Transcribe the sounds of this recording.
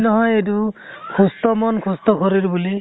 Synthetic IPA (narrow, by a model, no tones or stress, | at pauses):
nɔɦɔjed̬u | kʰustɔmɔnkʰustɔkʰɔɹiɹbuli